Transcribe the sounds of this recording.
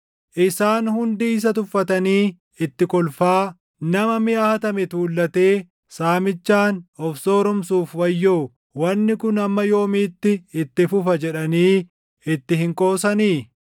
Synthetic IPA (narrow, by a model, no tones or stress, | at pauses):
ʔɪsaːnhʊnd̪iːs̬ɐt̪ʊfːɐt̪ɐniː | ɪt̪ːɪkɔlfaː | nɐmɐmɪahɐt̪ɐmɛt̪uːlːɐt̪eː | saːmɪt͡ʃːaːnɔfsoːɾɔmsuːfwɐjːoː | wɐnːɪkʊnɐmːɐjo̞ːmiːt̪ːɪɪt̪ːɪfʊfɐd͡ʒɛᶑɐniː | ɪt̪ːɪhɪŋkʼo̞ːsɐniː